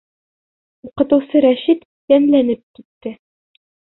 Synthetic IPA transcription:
uqɤ̆t̪ɤ̆wsɤɾæɕit̪ | jænlænɘp̚kit̪ːɘ

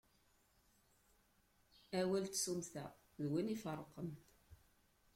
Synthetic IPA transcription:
æwælt̪sumθæ̰ | ðwinifərˤqəmt̪

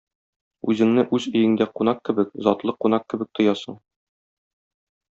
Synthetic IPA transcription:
ʉzɘ̆ŋnɘʔʉzɵ̆jɘ̆ŋd̪æqunɑq̚kɘ̆bɘkzɒt̪lˠɤqːunɑq̚kɘ̆bɘ̆k̚t̪ŏjɑsɤ̰̆ɴ

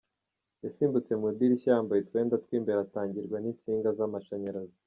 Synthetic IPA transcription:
jasiːmbut͡se̞mudiɾiçajaːmbaje̞tweːndatkwiːmbe̞ɾataːɲɟiɾɡwanint͡siːŋɡazamaʃaɲaɾazi

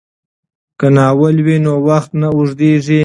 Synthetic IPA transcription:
kanɑːwəlwinowaxt̪naʊʐd̪eʐi

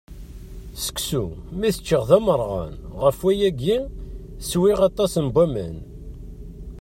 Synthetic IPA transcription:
sə̥ksumiθət͡ʃːəʁðæməɾˤʁɑ̰nʁəfwæjæɡin | swiʁɑt̪ˤːɑsənbæmə̰n

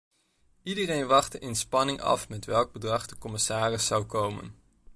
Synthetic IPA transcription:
idərejnʋɑχtəʔɪnspɑnɪŋɑ̰fmɛtʋɛlˠɡ̚bədrɑχdəkɔmɪsaːrɪsːɑwkowmə̰n

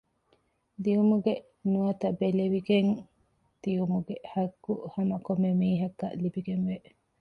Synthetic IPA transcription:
d̪iumuɡe | nuɐt̪ɐbeleʋiɡeŋ | d̪̥ijumuɡehɐɡːuhɐmɐkomːemiːɦɐkːɐ̰ʔlibiɡenʋe

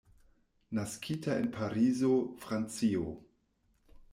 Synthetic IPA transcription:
naskʰitʰaḛnpʰaɾizofɾant͡sio

